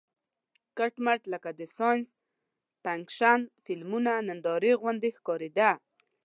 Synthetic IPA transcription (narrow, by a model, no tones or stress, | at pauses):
kaʈmaʈləkad̪əsɑjns | paŋkʃanfɪlmunanand̪ɑɾeɣwand̪ehkɑɾed̪a